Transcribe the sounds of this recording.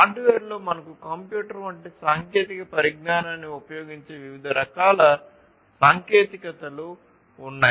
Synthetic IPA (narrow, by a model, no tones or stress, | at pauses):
aːɖʋeːɾlo̞ːmɐnɐkukɐmpjuːʈɐɾʋɐɳʈeːsaːŋkjeːt̪ikɐpɐɾiɡnaːnaːnːiupɐjoːɡiɲt͡ʃe̞ːʋiʋid̪ʱɐɾɐkaːlɐ | saːŋkjeːt̪ikɐt̪ɐluː | nːaː